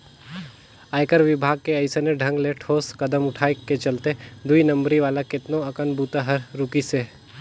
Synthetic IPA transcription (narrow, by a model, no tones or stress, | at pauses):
aːjkəɾʋɪbʱaːɡ̚keɐɪseneɖʱɐ̃ŋɡleʈʰoːskɐd̪əmʊʈʰaːeket͡ʃɐlt̪ed̪uinɐ̃mbɾiʋaːlakɪt̪noɐkənbuːt̪aɦɐɾːʊkise